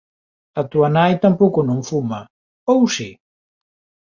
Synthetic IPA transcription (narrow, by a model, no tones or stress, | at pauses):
ɐt̪uɐnajt̪ampowkʊnõŋfuma | owsi